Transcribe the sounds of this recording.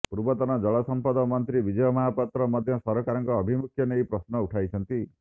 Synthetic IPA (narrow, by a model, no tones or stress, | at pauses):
puɾbɔt̪ɔnɔd͡ʒɔɭɔsɔmpɔd̪ɔmɔnt̪ɾibid͡ʒɔjɔmaɦapɔt̪ɾɔmɔd̪ʱjɔsɔɾɔkaɾɔŋkɔːbʱimukʰjɔneipɾɔsnɔuʈʰajt͡ʃʰɔnt̪i